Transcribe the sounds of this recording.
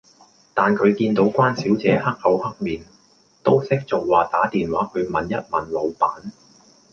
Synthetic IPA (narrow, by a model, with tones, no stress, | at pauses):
t̪aː˨nkʰɵ˨˧ɥkiː˧nt̪o˨˥wkʷaː˥nsiː˨˥wt͡sɛː˨˧hɐ˥k̚hɐ˨˥whɐ˥k̚miː˨n | t̪o˥wsɪ˥k̚t͡so˨k̚waː˨˩t̪aː˨˥t̪iː˨nwaː˨˥kʰɵ˨˧ɥmɐ˨njɐ˥t̚mɐ˨˩nlo˨˧wpaː˨˥n